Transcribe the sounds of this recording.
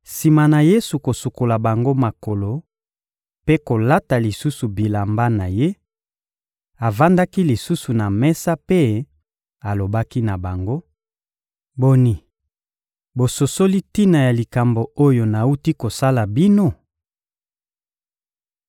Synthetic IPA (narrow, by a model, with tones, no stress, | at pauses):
si˨ma˨na˨je˦su˨ko˨su˨ko˨la˨ba˨ŋɡo˦ma˨ko˨lo˨ | pe˦ko˨la˦ta˨li˨su˦su˨bi˨la˨mba˦na˨je˦ | a˨va˦nda˦ki˦li˨su˦su˨na˨mɛ˦sa˦pe˦ | a˨lo˨ba˦ki˦na˨ba˨ŋɡo˦ | bo˨ni˨ | bo˨so˨so˦li˦ti˦na˨ja˨li˨ka˨mbo˨o˦jo˨na˨u˦ti˦ko˨sa˦la˨bi˦no˦